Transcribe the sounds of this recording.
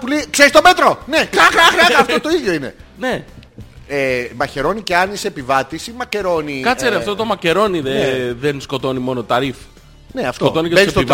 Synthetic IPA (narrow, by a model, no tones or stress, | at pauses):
puleikse̞ɾist̪o̞me̞t̪ɾo̞nekɐxɾɐxɾɐkɐft̪o̞t̪o̞iðjo̞ine̞̰ne̞ | emɐçe̞ɾo̞nice̞ɐnisepivɐt̪isimɐce̞ɾo̞nikɐst͡seɾiɐft̪ot̪o̞mɐce̞ɾo̞niðeðensko̞t̪o̞nimo̞not̪ɐɾif | neɐfsk̪t̪oo̞nikeessest̪oiv